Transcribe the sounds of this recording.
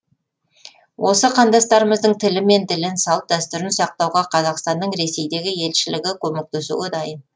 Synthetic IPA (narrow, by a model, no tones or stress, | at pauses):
wʔo̞səqʰɑnd̪ɑst̪ɑɾəməzd̪əɴt̪ʰɪlɪme̞nt̪ɪlɪnsɑlˠp̪̚d̪æst̪ʏɾɪnsɑq̚t̪ɑwʁɑqʰɑzɑqst̪ɑnd̪əɴɾe̞se̞jd̪e̞ɡʲɪje̞lʃɪlɪɡʲɪkʲʰɵme̞k̚t̪esṵɡʲɪd̪ɑjən